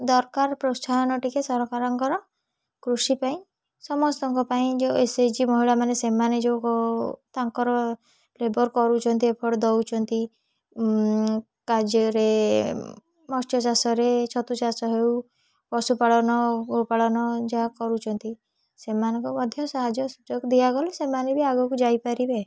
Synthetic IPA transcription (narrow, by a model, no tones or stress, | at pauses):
d̪ɔɾkaɾpɾɔst̪ʰaɔnɔʈikesɔɾɔkaɾɔŋkɔɾɔ | kɾusipaĩ | sɔmɔst̪ɔŋkɔpaĩd͡ʒewesed͡ʒimɔɦiɭamanesemaned͡ʒewkt̪aŋkɔɾɔ | lebɔɾkɔɾut͡ʃʰɔnt̪̬iepʰɔɽd̪ɔwt͡ʃʰɔnt̪i | kad͡ʒɔɾe | mɔstjɔsasɔɾet͡ʃʰɔt̪usasɔɦew | pɔsupaɭɔnɔɔpaɭɔnɔd͡ʒaɦakɔɾut͡ʃʰɔnt̪i | semanɔŋkumɔd̪ʱjɔsaɦad͡ʒɔsud͡ʒɔɡd̪iaɡɔlɔsemanebiaɡɔkud͡ʒajpaɾibe